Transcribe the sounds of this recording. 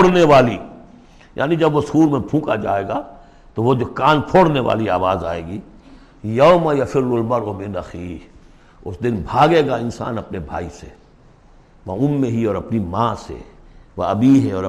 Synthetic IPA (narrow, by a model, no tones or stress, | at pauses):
ɽneʋaːliː | jʔa̰ːnid͡ʒɐbʋosuːɾmẽpʰũːka̰d͡ʒa̰ːeːɡaː | t̪oʋod͡ʒoːkaːnpʰoːɽneʋa̰ːlia̰ːʋaːza̰ːḛːɡiː | jɐomɐjɐfʰɪɾlʊlmɐɾomenɐxiː | ʊsd̪ɪnbʱaːɡeːɡaɪnsa̰ːnɐpnebʱa̰ːise | ʋaʊmːẽɦiɔːɾɐpnimãːsḛʋa̰ɐbiɦɛɔːɾ